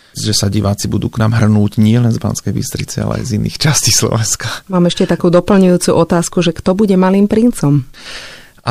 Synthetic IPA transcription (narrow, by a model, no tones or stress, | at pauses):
ʒɛsaɟiʋaːt͡sibud̪uːknaːmɦr̩nuːɟɲɪɛlɛnzba̰nskɛjbḭst̪ɾit͡sḭa̰lɛ̰a̰jzinḭːxt͡ʃascislɔ̰ʋɛnskamaːmɛʃcɛt̪akuːd̪ɔpl̩ɲujuːt͡suʔɔt̪aːskuʒɛkt̪ɔbuɟɛmaliːmpɾint͡sɔm | ʔa